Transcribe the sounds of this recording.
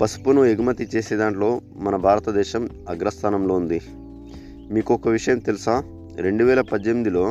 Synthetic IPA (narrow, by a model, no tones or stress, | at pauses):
pɐsu̥punueɡumɐt̪it͡ʃe̞ːseːd̪aːɳʈlo̞ː | mɐnɐbʱaːɾɐt̪ɐd̪ɛːʃɐm | ɐɡɾɐst̪ʰaːnɐmlo̞ːund̪i | miːkuɔkɐʋiʂɐjɐmt̪elusaː | ɾe̞ɳɖuʋɛːlɐpɐːemid̪ilo̞ː